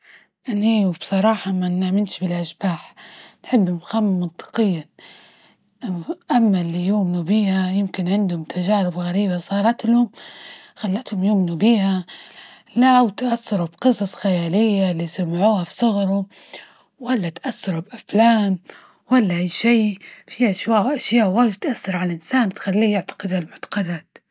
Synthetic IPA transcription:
ʔanːiwbsˤɑɾˤɑːħɑmanamɪnʃbɪlʔaʃbaːħnħɪbːhʊmxamːɑnt̪ˤɨ̥qɪjːa | ʔamːalːijuːmnubiːhajɪmkɪnʕɪnd̪hʊmt̪ʰaʒaːɾɪbɣaɾiːbasˤɑːɾˤɑt̪lhʊm | xalːat̪hʊmjuʔmnubiːha | lawt̪ʔasːɑɾˤubqɨsˤɑsˤxajaːlɪjːalːiːsamʕuːhafsˤɑɣɾˤʊ | walːat̪ʔasːɑɾubʔaflaːn | walːaʔajːʃiːfiʔaʃwaːʔʔaʃjaːʔwaːd͡ʒt̪ʔasːɑɾˤʕalaʔɪnsaːnt̪xalːiːjɪʕt̪ḁqɪd̪halmʊʕt̪ḁqɑd̪aːt̪

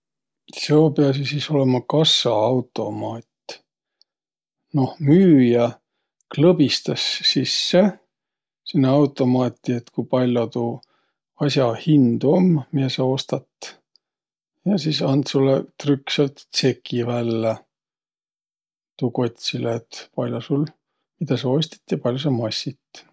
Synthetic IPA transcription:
seopeɑs̬isiso̞le̞mɑkɑsːɑɑwt̪ˑo̞mɑːt̪ʲ | no̞hmyːjɑ | klɤbist̪ɑsːisːe̞ | sinːeɑwt̪ːˑo̞mɑːt̪ʲːˑiet̪kupɑlʲjot̪uː | ɑsʲjɑhind̪̥uommiesɑo̞st̪ɑt̪ːˑ | jɑsisɑnd̪sulːḛt̪rykːselt̪se̞kʰːivælːe | t̪uko̞t̪ʲsileːt̪pɑlʲjosul | mid̪̥ɑsɑo̞sʲt̪ɑ̥t̪ːjɑpɑlʲjos̬ɑmɑsʲit̪

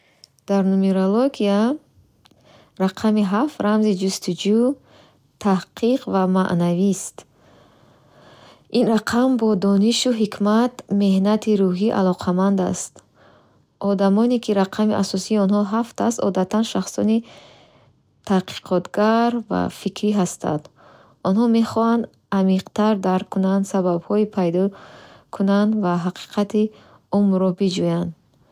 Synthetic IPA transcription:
d̪̥aɾnumeɾoloɡia | ɾaqʰamiɦaft̪ɾamzid͡ʒust̪ʰud͡ʒu | t̪ʰahqʰiqvama̰ʔnavist̪ | ʔinɾaqʰambɔd̪ɔniʃuɦikʰmat̪me̞hnat̪ʰiɾuɦiʔa̰lɔqʰamand̪a̰st̪ | ʔɔd̪amɔnekʰiɾaqʰamiʔasɔsiːɔnɦɔɦaft̪ʰast̪ɔ̰d̪at̪ʰanʃaχsɔ̰ni | t̪ʰaqʰi̥qʰɔt̪ɡaɾva̰fikʰɾiɦast̪a̰nd̪ | ɔnhɔme̞χɔhand̪ | amiqt̪ʰaɾd̪aɾkʰːunand̪saβabhɔipʰajd̪ɔkʰunand̪vaɦaqʰi̥qʰat̪i | umɾɔbid͡ʒujand̪

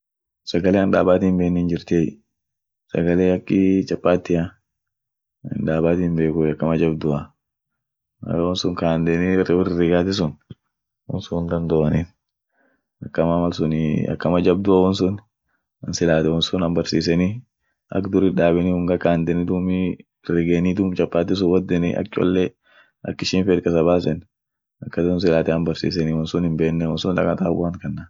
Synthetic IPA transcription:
sɐɡɐleːɐnᶑa̰ːbaːt̪iːmbeːnːiːnd͡ʒɪɾt̪eːj | sɐ̰ɡɐleːɐkːɪt͡ʃʼɐpʼːaːt̪ːɪja | ɪ̰nᶑaːbaːt̪iːmbe̞ːkʊɐkːɐmɐd͡ʒɐbd̪ʊɐ | ɐ̰wɔnsʊŋkaːnd̪ɛniɪrɐbɪrːɪɾɪɡaːt̪ɪs̬ʊn | wɔ̰nsʊnd̪ɐnd̪ɔːɐnin | ɐkːɐmaːmɐlsʊnɪ̰ɐ̰kːɐmɐd͡ʒɐb̚d̪ʊɐwɔnsʊn | ɐnsɪlaːt̪ɛwɔnsʊnɐmbɐɾsiːsɛni | ʔɐ̰kd̪ʊɾɪᶑaːbɛnihʊŋɡɐkaːnd̪ɛnɪd̪umi | rɪɡenid̪ʊmt͡ʃɐpːaːt̪ɪs̬ʊwɐd̪ːɛnɪ̰ʔɐ̰kt͡ʃʼɔ̰lːɛ | ɐ̰kːɪʃiːnfeːt̪̚kɐsɐbaːsɛn | ɐkːɐt̪ɪʊns̬ɪlaːt̪ɛɐmbɐɾsḭːs̬ɛniwɔnsʊnhɪmbeːnːɛwɔnsʊnᶑɐkʼɐt̪abaːŋkɐnːa

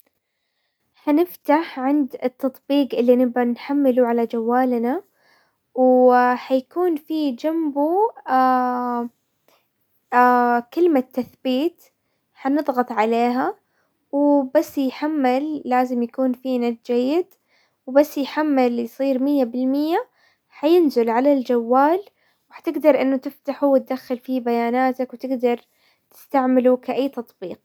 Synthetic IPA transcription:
ħanɪft̪aħʕɪnd̪ɪt̪ːɑt̪ˤbiːqʔɪlːinɪbʔanħamːɪluʕalad͡ʒawːaːlna | wħajkuːnfid͡ʒambua | akɪlmat̪ːaθbiːt̪ | ħanɨðˤɣɑt̪ˤʕaleːɦa | wbasːjħamːalːaːzɪmjakuːnfinad̪d͡ʒajːɪd̪ | wbasːjħamːaljsˤiːɾmɪjːabɪlmɪjːa | ħajɪnzɪlʕalald͡ʒawːaːl | wħḁt̪ɪɡd̪ɑɾˤʔɪnːʊt̪ɪft̪aħuwɪt̪̚d̪axːalfibajaːnaːt̪akwt̪ɪɡd̪ɑɾˤ | t̪ɪ̥st̪aʕmɪlukaʔajːt̪ɑt̪ˤbiːq̚

